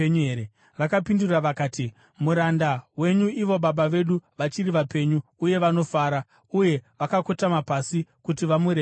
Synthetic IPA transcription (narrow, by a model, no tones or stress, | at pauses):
ɲee | ʋakapinduraʋakaːti | muɾandawe̞ɲuiʋo̞ɓaɓaʋe̞ɗuʋat͡ʃiɾiʋape̞ɲuːje̞ʋano̞faːɾa | uje̞ʋakakotamapasikutiʋamuɾe